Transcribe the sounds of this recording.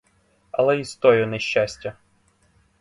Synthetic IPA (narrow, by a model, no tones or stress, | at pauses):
ɐlˠɛist̪ɔjɔnɛʃʲːasʲtʲɐ